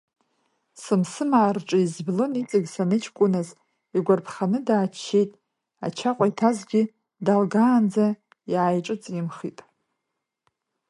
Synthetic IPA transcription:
sɨmsɨmaːrʈ͡ʂʼɨizblɨnit͡sʼɨɡʲsanɨt͡ʃʰkʷʼʊnaz | iɡʷarpʰχanɨdaːt͡ʃʰːe̞jtʼ | a̰t͡ʃʰaqʷʼajtʰazɡʲi | dalɡaːnd͡za | jajʈ͡ʂʼɨt͡sʼjimχitʼ

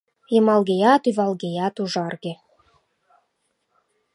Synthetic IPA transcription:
jəmɑlɣejɑt̪yβɑlɣejɑt̪uʒɑrɣĕ

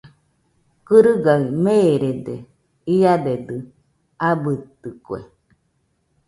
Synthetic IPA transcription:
kɨɾɯɡaimeɾed̪ḛ | iad̪ed̪ɨ | abɯt̪ɨkwḛ

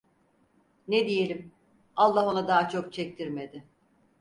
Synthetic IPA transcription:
ned̪ije̞lʲim | alˠːaɦo̞nad̪aːt͡ʃʰo̞k̚t͡ʃʰɛc̚t̪ʰiɾmed̪ɪ

